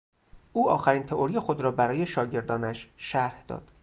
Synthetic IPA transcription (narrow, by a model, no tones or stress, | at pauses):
ʔuːɒ̰ːxæɾiːnt̪ʰeʔoɾijexod̪ɾɒːbæɾɒːje̞ʃɒːɟe̞ɾd̪ɒːnæʃʃæɾhd̪ɒ̰ːd̪̥